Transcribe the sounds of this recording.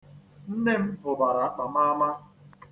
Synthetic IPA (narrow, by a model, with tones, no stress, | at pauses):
n̩˦ne˦m̩˦ɦʊ˨ba˨ɾa˨˦k͡pa˨m̩˦a˦ma˦